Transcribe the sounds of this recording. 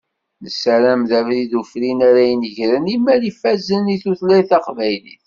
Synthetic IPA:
nəsæɾæmðævɾiðufɾinaɾæjənəʝɾənimːæɾifæzəniθuθlæjθɑqvæjlḭθ

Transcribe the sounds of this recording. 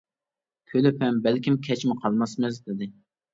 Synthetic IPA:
kʲʰølɪpʰɛmbælkʲimkʲʰɛt͡ʃmɪqʰɑlˠmɑsmɪzd̪ɪd̪ɪ

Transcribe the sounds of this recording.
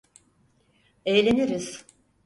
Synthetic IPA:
ejlʲeniɾiz̥

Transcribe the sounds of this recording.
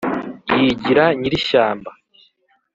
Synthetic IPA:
jiɟiɾaɲiɾiʃaːmba

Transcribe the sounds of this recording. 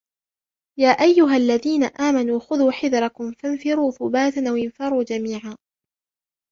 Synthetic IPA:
jaːʔajːʊɦalːaðiːnaʔaːmanuːxʊðuːħɪðɾˤɑkʊmfanfɪɾuːθʊbaːt̪anʔawɪnfɑɾˤuːd͡ʒamiːʕaː

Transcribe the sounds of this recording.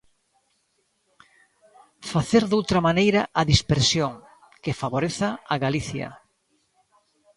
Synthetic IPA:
faθeɾðowt̪ɾɐmanejɾɐʔɐðispeɾsjoŋ | kɪfaβoɾeθaaɣaliθjɐ̰

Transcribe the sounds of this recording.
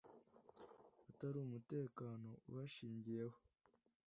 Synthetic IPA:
ataɾuumute̞ːkaːno̞βaʃiːɲɟije̞ho̞̥

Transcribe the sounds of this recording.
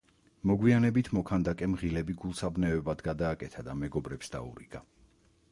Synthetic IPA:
mɔɡwianɛbit̪ʰmɔkʰand̪akʼɛmʁilɛbiɡulˠsabnɛvɛbad̪ɡad̪aːkʼɛt̪ʰad̪amɛɡɔbɾɛpsd̪a̰ṵɾiɡ̥a

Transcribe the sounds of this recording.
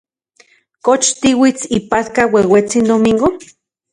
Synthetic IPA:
kot͡ʃt̪iwit͡sipat̪kawewet͡sind̪omiŋɡo

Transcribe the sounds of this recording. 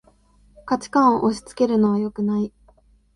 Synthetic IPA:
kat͡ɕi̥kãɰ̃o̞ʔoɕi̥t͡sɨ̥ke̞ɾɯ̟no̞β̞ajo̞kɯ̟nai

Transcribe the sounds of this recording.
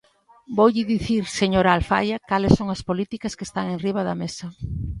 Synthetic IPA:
bowʎɪðiθiɾseɲoɾaalfa̰jɐkalɪsoŋɐspolit̪ikɐskest̪aŋeŋriβ̞ɐðɐmesɐ

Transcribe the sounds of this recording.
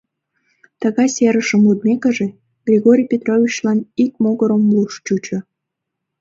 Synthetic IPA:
t̪əɣɑjseɾəʃəmud̪̚mʲekəʒe | ɡ̥rʲiɣoɾʲijpʲet̪rovʲit͡ɕlɑnik̚moɣəɾəmluʃt͡ɕut͡ɕo

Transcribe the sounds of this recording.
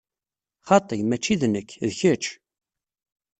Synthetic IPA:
χɑt̪ˤəjmæt͡ʃːiðnəkːðçət͡ʃː

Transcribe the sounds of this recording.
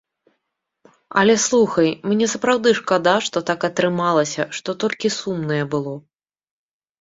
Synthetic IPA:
ɐ̰lʲɛslˠuxɐjmnʲɛsɐpɾawd̪ɨʂkad̪aʂt̪ɔt̪akɐt̪ɾɨmalˠɐsʲɐʂt̪ɔt̪ɔlʲkʲisumnɐjɛbɨlˠɔ

